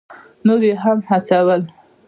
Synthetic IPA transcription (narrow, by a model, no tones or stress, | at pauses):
noɾeɦamhat͡sawəl